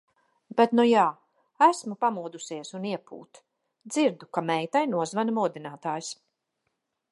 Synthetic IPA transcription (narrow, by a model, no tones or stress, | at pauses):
bet̪nujaː | æsmupamuːd̪usiɛsuniɛpṵːt̪ | d̪z̥iɾd̪ukamɛjt̪ajnuɔzvanmɔːd̪inaːt̪aːjs